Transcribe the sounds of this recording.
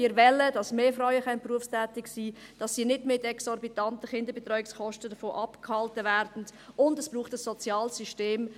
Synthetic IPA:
iːɾvɛləd̥ɑsmeːfɾaʊəχɛnpruəfstɛːtɪksiːd̥ɑsːiːnɪdmɪtɛksɔɾbitɑntəχɪndəɾbet̪ɾœʏɪkskɔʃtədəfoːʔɑpkʰhɑltəvɛɾd̥n̩dʊndəsb̥ɾuːχtəsːɔt͡sjɑːlsyʃteːm

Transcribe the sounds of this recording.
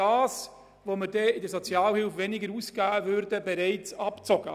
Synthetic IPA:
ɑːs | ʋoməɾdɛɪdəsot͡sjɑːlhɪlfʋɛnɪɡəɾuːsɡ̥æːəvøɾdəbɛɾɛɪt͡sɑpt͡sɔɡ̥ə

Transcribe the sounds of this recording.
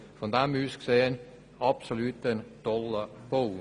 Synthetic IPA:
fɔnd̪æmʉːskseːn | ɑpsolʉːt̪ənd̪̥ɔlːəb̥oː

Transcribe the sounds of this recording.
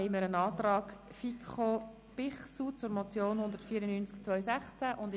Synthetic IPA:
ɛɪməɾənɑːtrɑːk | fikʰχo | b̥ɪχsut͡sʊɾmot͡sjoːnhʊnd̪əɾtfiːəɾənyːnt͡skt͡svœʏsɛχt͡sæʔʊnd

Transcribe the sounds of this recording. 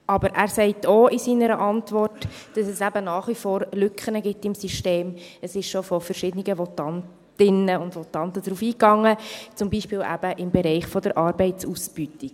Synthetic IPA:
ʔɑbəɾʔæːɾsɛɪtʰoʔɪsiːnəɾəʔɑntʋɔrt | d̥ɑsɛsæbənɑːχʋifɔːɾlʏkχənəɡɪtɪmsiʃteːməsɪʃʃɔfɔfəɾʃɪdəniɡəʋɔtɑnt | ɪnəʊndʋɔtɑnt̪əd̥̪ɾuːfiːkɑŋːət͡sʊmbiːʃpɪːlʔæ̰b̥əʔɪmbɛɾɛɪχfɔdəɾʔɑːɾbɛɪtt͡susb̥ytik

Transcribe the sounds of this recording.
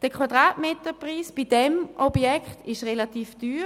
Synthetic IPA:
d̥əkʰwadʁaːtmeːtəpʁiːsb̥idɛmʔɔbjɛkχtɪʃʁelatiːfd̥yː

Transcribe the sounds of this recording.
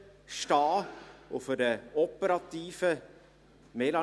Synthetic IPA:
ʃtɑːofɔdəɔpəɾɑt̪iːfə | mɛlɑ

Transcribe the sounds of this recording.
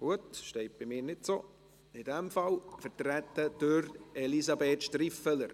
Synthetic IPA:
ɡ̥uətʃtɛɪt̚b̥ɪmɪːɾnɪtsoː | ɪdɛmfɑlfəɾtɾætːəd̥øɾɛlizɑbeːt̪ʃtɾifələɾ

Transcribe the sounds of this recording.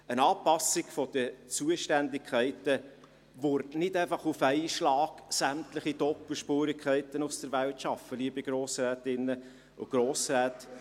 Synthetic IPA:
ənɑːpɑsɪɡfɔd̥ət͡suəʃtændɪkʰχɛɪtə | ʋʊɾnɪdæɪfɑχufɛɪʃlɑːɡ̥sæmtlɪχid̥ɔpəl̩ʃpuːɾɪkʰχɛɪtənusd̥əɾvæltʃɑfəliːəbiɡ̥ɾoːsɾɛːtɪnːə | ʊ̰ɡ̥ɾoːsɾɛːt

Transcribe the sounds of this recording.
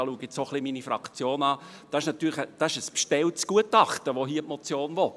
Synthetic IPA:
ɑluəɡɪt͡ssoχliminifrɑ̰kt͡sjoːnɑː | d̥ɑɪʃnɑtːyːlχəd̥ɑɪʃəspʃtɛltsɡ̥uətɑχtəʋoɦiːəpmɔt͡sjoːnvo

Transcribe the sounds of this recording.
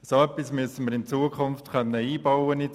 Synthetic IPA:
soœpːismyəsənməɾɪnt͡suːəkʰʊnftkœnːəiːb̥ɑwəni

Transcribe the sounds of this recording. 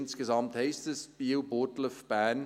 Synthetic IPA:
nskəzɑmthɛɪstəsb̥iwbotləfb̥æn

